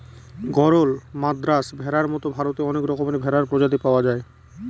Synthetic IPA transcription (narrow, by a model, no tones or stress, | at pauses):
ɡɔɾolmad̪ɾasbʱɛɾaɾmɔt̪obʱaɾot̪eɔnekɾɔkomanebʱɛɾaɾpɾod͡ʑad̪ipaoad͡ʑae